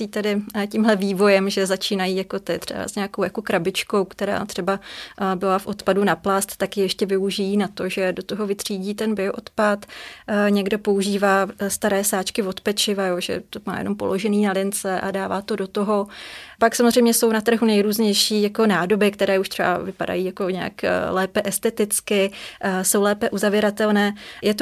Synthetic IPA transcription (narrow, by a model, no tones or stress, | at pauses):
iːt̪ɛdɪcimɦlɛviːvo̞jɛmʒɛzat͡ʃiːnajiːjako̞t̪ɪt̪r̝̥ɛ̰ba̰zɲɛako̞wjakokɾabɪt͡ʃko̞wkt̪ɛɾa̰ːt̪r̝̥ɛbabɪlafʔo̞t̪padunaplast̪t̪ːakjɪjɛʃcɛvɪuʒɪjiːnat̪o̞ʒɛdot̪oɦo̞vɪt̪r̥iːɟiːt̪ɛnbɪoʔot̪pat̪ɲɛɡdo̞po̞uʒiːvaːst̪aɾɛːsaːt͡ʃkɪvo̞t̪pɛt͡ʃɪvajoːʒɛ̰t̪oma̰ːjɛ̰no̞mpo̞̰lo̞ʒɛniːnalɪnt͡sɛʔa̰daːva̰ːt̪odo̞t̪oɦo̞paksamozr̝ɛjmɲɛso̞wnat̪r̩ɦunɛjɾuːzɲɛjʃiːjako̞naːdo̞bɪkt̪ɛɾɛːuʃt̪r̥ɛba̰vɪpa̰da̰jiːjako̞ɲɛa̰klɛːpɛʔɛst̪ɛt̪ɪt͡skɪso̞wlɛːpɛʔuzavjɪɾat̪ɛlnɛːjɛt̪o